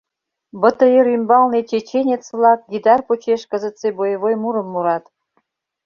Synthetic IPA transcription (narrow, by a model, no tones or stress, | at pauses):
bə̆t̪ə̆eɾymbɑlnet͡ɕet͡ɕenʲet͡svlɑk̚ɡʲid̪ɑrpot͡ɕeʃkə̆zə̆t̪sebojəβojmuɾə̆mːuɾɑt̪